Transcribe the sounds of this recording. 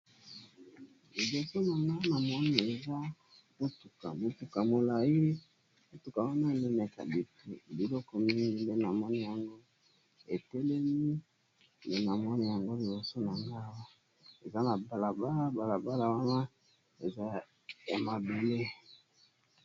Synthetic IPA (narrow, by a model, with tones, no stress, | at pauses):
li˨bo˨so˦na˨ŋɡa˦na˨mɔ˦ni˨e˨za˦ | bo˦tu˨ka̰˨mo˨tu˨ka˨mo˨la˨ji˦ | bo˨tu˨ka˨wa˦na˦˨ne˦nɛ˨ka̰˨bi˨tu˦˨bi˨lɔ˦kɔ˨mi˦ŋɡi˦nde˦na˨mɔ˦ni˦ja˨ŋɡo˦ | e˨tɛ˦lɛ˦mi˦ | nde˦na˨mɔ˦ni˦ja˨ŋɡo˦li˨bo˨so˦na˨ŋɡa˦wa˦ | e˨za˦na˨ba˨la˨ba˦la˦ba˨la˨ba˦la˨wa˦na˦ | e˨za˦ | ja˨ma˨be˨le˦